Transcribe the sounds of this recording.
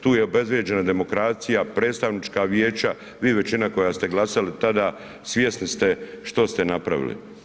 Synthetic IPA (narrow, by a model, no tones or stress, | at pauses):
t̪uːjeo̞be̞zbje̞d͡ʑe̞nad̪e̞mo̞kɾaːt̪sijapɾe̞ːt̪st̪aʋnit͡ʃkaʋjeːt͡ʃa | ʋiːʋe̞t͡ɕinako̞jast̪e̞ɡlˠasalit̪ad̪a | sʋʲje̞snist̪eʃt̪o̞st̪e̞napɾa̰ʋḭlḭ